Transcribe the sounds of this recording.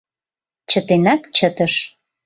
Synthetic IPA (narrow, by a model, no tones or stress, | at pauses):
t͡ɕət̪enɑkt͡ɕət̪əʃ